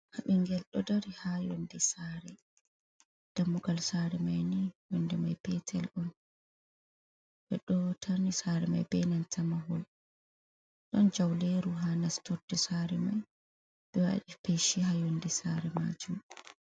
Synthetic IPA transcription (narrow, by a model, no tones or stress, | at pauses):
haɓiŋɡɛlɗɔdaɾihajɔndɛsaɾɛ | d̥amːuɡalsaɾɛmajnijɔndɛmajpɛtʰɛlʔɔn | bɛɗɔtʰanisaɾɛma̰jbɛnantʰamaɦɔl | ɗɔnd͡ʒawleɾuɦanastʰɔɾdɛsaɾɛmaj | ɗ̥ɛwa̰ɗipeʃihajɔndɛsaɾɛma̰t͡ʃu